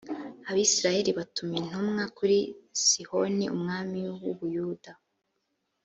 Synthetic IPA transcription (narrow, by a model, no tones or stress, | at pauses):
aβisiɾaje̞ɾiβatumjin̥umŋakuɾisiho̞niumŋaːmiwuβujuːda